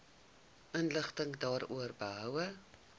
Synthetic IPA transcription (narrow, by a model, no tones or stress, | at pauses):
ʔənləχtəŋdɑːrṵərbəɦœwə